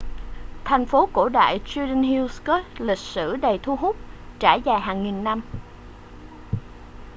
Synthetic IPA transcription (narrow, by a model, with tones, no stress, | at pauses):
t̪ʰɛ˨˩jŋ̟fo˨˦ko̰˧˩ɗa̰ː˧˨jt͡ɕi˧ɗə˧nɦi˧wskɔ˦˥t̚lï˨˩k̟̚sɨ̰˧˩ɗə˨˩jt̪ʰu˧ɦʊ˦˥k͡p̚t͡ɕaː˧˩jzaː˨˩jɦaː˨˩ŋŋi˨˩nːa˧m